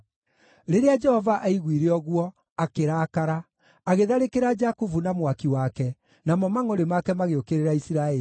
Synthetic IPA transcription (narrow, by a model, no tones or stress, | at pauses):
ɾeɾead͡ʒɛhɔvaʔaiɣwiɾeɔɣwɔ | akeɾaːkaɾaː | ɣeðaɾekeɾad͡ʒakuvunamwakiwakɛ | namɔmaŋoɾemakɛmaɣeokeɾeɾaisiɾaɛi